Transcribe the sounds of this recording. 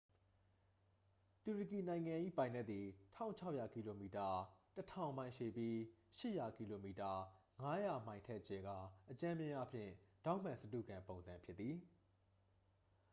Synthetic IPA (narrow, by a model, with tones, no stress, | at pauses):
tu˨ɹə˨ki˨nã˨ɪ̃ŋã˨ʔḭ˦˨pã˨ɪ̃nɛ˦ʔ̪t̪̚i˨tʰã̰˦ʊ̃ɲt͡ɕʰa˦ʊʔja˨ki˨lo˨mi˨ta˨tətʰã˨ʊ̃mã˨ɪ̃ʃe˨pji˦ʃɪ˦ʔja˨ki˨lo˨mi˨ta˨ŋa˦ja˨mã˨ɪ̃ntʰɛ˦ʔt͡ɕɛ˨ɡa̰˦˨ʔət͡ɕã˦mjɪ̃˦ʔa̰˦˨pʰjɪ̰̃˦˨d̥ã˦ʊ̃m̥ã˨sət̬ṵ˦˨ɡã˨mpõ˨ʊ̃nzã˨mpʰjɪ˦t̪̚θi˨